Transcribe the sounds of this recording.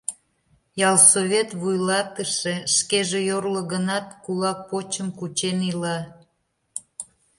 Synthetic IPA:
jɑlˠsoβʲet̪βujlɑt̪əʃeʃkeʒejorləɣənɑt̪kulɑk̚pot͡ɕəmkut͡ɕenilɑ

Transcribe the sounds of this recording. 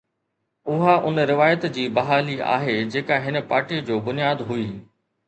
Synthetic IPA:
ʊɦaʔʊnɾɪʋaːjət̪d͡ʑiːbɐɦaːlia̰ːɦed͡ʑeːkaɦɪnəpaːɾʈid͡ʑoːbʊnijaːd̪ɦuiː

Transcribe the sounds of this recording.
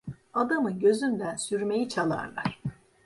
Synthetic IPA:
ad̪amɯɟø̞zynd̪ænsyɾme̞jit͡ʃʰalˠa̰ɾlˠa̰ɾ̥

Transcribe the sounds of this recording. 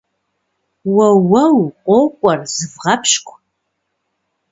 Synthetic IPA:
wɐwɐwqʷʼowkʷʼɐrzɨvʁɐpʰʃkʷʰʼ

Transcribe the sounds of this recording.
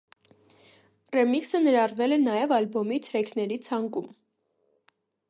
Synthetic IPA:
rɛmiksənəɾɑrvɛlɛnɑjɛvɑlbɔmit̪ʰɾɛkʰnɛɾit͡sʰɑŋkum

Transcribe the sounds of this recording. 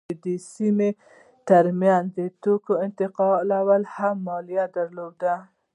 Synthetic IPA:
ed̪əsime | t̪aɾmjanzd̪ət̪okoɪnt̪ɪqɑlawəlhamːɑlijad̪aɾlod̪a

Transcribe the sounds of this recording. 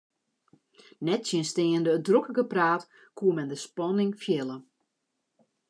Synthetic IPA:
nɛtsjɪnsteːəndəːdrokəɡəpraːt | kʰuəmɛndəspɔnɪŋfjɛlˠə

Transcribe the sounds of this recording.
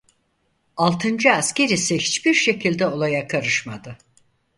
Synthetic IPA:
alˠt̪ʰɯnd͡ʒɯasce̞ɾisihit͡ʃbiɾʃe̞cʰilʲd̪ɛo̞lˠajakʰaɾɯʃmad̪ɯ

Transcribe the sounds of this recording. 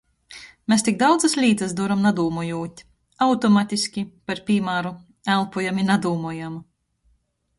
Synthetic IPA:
mest̪iɡ̚d̪awd̪zaslʲiːt̪as̬d̪uɔɾamnad̪uːmɔjuːt̪ʲ | awt̪ɔmat̪ʲisʲkʲipaɾpʲiːmaːɾu | ælˠpɔjaminad̪uːmɔjam

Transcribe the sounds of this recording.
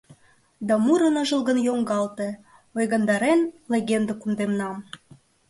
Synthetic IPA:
d̪ɑmuɾə̆nɤ̆ʒə̆lˠɣə̆njoŋɡɑlt̪e | ojɣɑnd̪ɑɾenleɣʲend̪ə̆kund̪emnɑm

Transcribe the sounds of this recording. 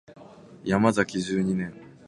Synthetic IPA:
jamazakʲiʑɨːɲ̟inẽ̞ŋ

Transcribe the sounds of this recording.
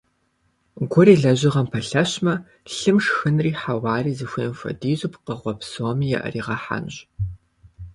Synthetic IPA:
ɡʷʊriːɮɐʑɪʁɐmpʰɐɬɐɕmɐ | ɬɨmʂxɨnriːħawɑːriːzɨxʷiːmfʷɐ̰diːʑupqəʁʷɔpsoːmijɛ̰ʔɐ̰riːʁɐħa̰nɕ

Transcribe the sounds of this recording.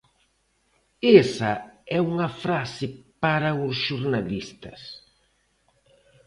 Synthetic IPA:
esɐɛuŋɐfɾasɪpaɾɐʊsʃuɾnalist̪ɐs

